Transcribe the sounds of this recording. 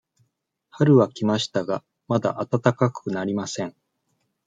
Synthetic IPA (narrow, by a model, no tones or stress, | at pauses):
haɾɯ̟βakʲimaɕi̥t̪aɡa | mad̪a̰ʔat̪at̪akakɯnaɾʲimasẽ̞ɴ